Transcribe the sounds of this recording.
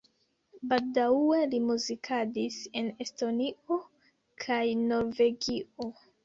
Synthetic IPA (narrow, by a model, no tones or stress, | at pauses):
baldae̞limuzikʰadise̞ne̞sto̞nio̞ | kʰajno̞ɾve̞ɡio